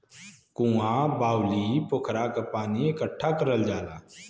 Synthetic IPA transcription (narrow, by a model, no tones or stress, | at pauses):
kũːãbaːwlipʊkʰɾakapaːniekəʈʰːakəɾəld͡ʒaːlaː